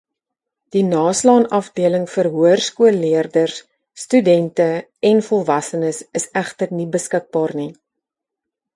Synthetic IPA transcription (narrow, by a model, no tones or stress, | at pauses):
d̥inɑːslɑːnɐfdiələŋfərɦuərskuəlːiərdərsː | tydɛntə | ɛnfɔlˠvɐsənəsəsæχtərnibəskək̚bɑːrni